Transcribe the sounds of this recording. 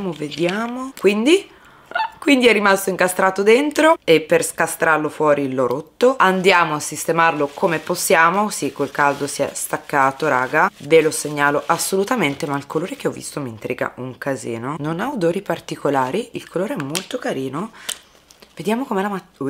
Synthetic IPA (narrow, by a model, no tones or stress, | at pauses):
moved̪jaːmokwind̪i | kwind̪iɛrːimast̪oiŋkast̪ɾaːt̪od̪ent̪ɾoepːerskast̪ɾarlofwɔːɾilːoɾʔot̪ːoand̪jaːmoasːist̪emarlokʰomeposːjaːmosikːwelkald̪osiɛ̰st̪akːaːt̪oɾaːɡaveloseɲːaːloʔasːolut̪ament̪emailkoloːɾek̟eɔvːḭst̪omint̪ɾiːɡa̰uŋkazḭːnononaod̪oːɾipart̪ikolaːɾiilkʰoloːɾeɛmːolt̪okaɾiːno | ved̪jaːmokomeɛlamat